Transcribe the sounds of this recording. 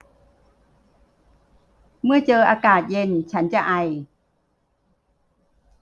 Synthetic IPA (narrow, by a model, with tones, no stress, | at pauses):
mɯ˥˩ɐt͡ɕɤː˧ʔaː˧kaː˨˩t̪̚je˧˩˨nt͡ɕʰa˦˥nt͡ɕa˨˩ʔa˧˩j